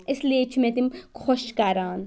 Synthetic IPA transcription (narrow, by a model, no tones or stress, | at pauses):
ɪsliet͡ʃʰumẽt̪imkʰoʃkɐɾaːn